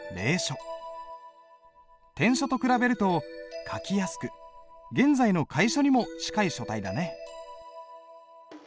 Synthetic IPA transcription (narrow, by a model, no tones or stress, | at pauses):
ɾe̞ːɕo̞ | t̪ẽ̞ɰ̃ɕo̞t̪o̞kɯ̟ɾabe̞ɾɯ̟t̪o̞kʰakʲijasɨ̥kɯ̟ɡẽ̞nzaino̞kʰaiɕo̞ɲ̟imo̞ɕi̥kaiɕo̞t̪aid̪ane̞